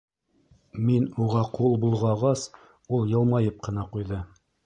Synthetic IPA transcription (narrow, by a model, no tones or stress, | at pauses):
minuʁɑqulˠbulˠʁɑɑʁɑs | ulˠjɤ̆lˠmɑjɤp̚qɤ̆nɑqujðɤ